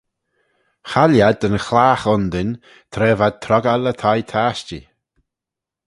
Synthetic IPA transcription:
xaljad̪ənxlaːxɔnd̪ɪn | t̪ʰɾɛːvad̪̚t̪ʰɾɔɡalət̪ʰajt̪ʰaːʃt͡ʃi

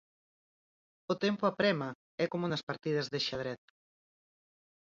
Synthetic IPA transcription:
ʊt̪empʊapɾɛma | ɛkomunɐspaɾt̪ið̞ɐzðeʃað̞ɾɛt̪̚

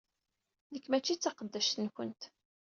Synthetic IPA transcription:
ðəkːmæt͡ʃːit͡sːɑqəd̪ːæʃt̪ənkənt̪

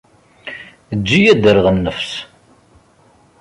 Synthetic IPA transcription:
əd͡ʒːijæd̪əɾʁənːəfs

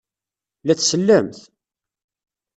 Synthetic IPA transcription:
læt͡sːsəlːæmθ

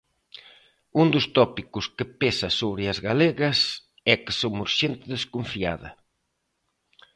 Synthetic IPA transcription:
und̪ʊst̪ɔpikuʊskɪpesɐsoβɾɪɐzɣaleɣɐs | ɛkɪ̥somuɾʃent̪ɪðeskoɱfia̰ðɐ̰

